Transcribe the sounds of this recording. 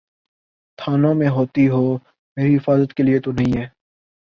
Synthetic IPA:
t̪ʰaːnõmẽɦoːt̪iɦoː | meːɾiɦɪfaːzət̪keliet̪onɐɦĩːɦɛː

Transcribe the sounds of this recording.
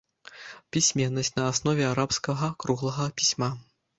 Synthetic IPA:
pʲisʲmʲɛnːɐsʲt͡sʲnɐasnɔvʲɛaɾapskɐɣɐkɾuɣlˠɐɣɐpʲisʲma

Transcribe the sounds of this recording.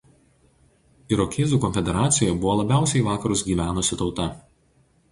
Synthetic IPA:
ɪɾɔkʲʰeːzuːˑkɔnʲfʲɛd̪ʲɛɾɑːt̪sʲɪjjɛbʊʋɔːlˠɐbʲæˑʊsʲɛɪʋɑːkɐɾʊsɡʲiːʋʲæːnʊsʲɪt̪ɒʊt̪ɐ

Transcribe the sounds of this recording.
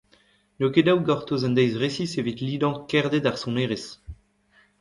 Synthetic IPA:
nokedawɡɔʁt̪ozɛ̃nd̪ɛjzʁesisevit̪liːd̪ɑ̃kɛʁd̪ed̪aʁsɔ̃neːʁes

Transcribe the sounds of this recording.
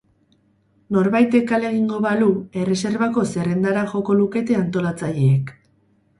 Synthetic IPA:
no̞ɾβajt̪e̞kale̞ɣiŋɡo̞βalue̞re̞se̞ɾβako̞se̞re̞nd̪aɾaʝo̞ko̞luke̞t̪e̞ant̪o̞lat͡saʎe̞ːk

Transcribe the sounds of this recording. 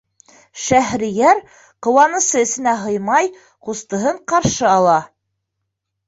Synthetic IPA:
ʃæɦɾĭjæɾ | qŏwɑnɤ̆sɤɘ̆sɘ̆næɦɤjmɑj | qust̪ɤ̆ɦɤɴqɑɾʃɤɑlˠɑ

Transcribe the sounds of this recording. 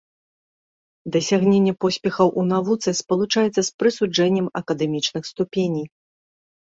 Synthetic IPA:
d̪ɐsʲaɣnʲenʲːɛpɔsʲpʲɛxɐwʔunavut̪sɨspɐlˠut͡ʂajɛt̪sːɐspɾɨsud͡ʐɛnʲːɛmɐkɐd̪ɛmʲit͡ʂnɨxst̪upʲenʲij

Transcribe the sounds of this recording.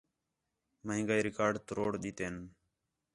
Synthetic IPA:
məɪ̃ŋɡaːiːɾɪkaːɾɖt̪ɾoːɽɗ̪iːt̪eːn

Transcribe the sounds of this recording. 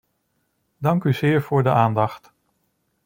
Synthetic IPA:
dɑŋkyz̥ɪːɹv̥ʊːɹdəʔaːndɑχt

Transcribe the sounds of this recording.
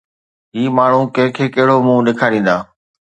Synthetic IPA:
ɦiːmaːɳ̤ũkɐ̃ɦɪ̃kʰeːkɐɦɪɽ̤omũːɗɪkʰaːɾĩːnd̪aː

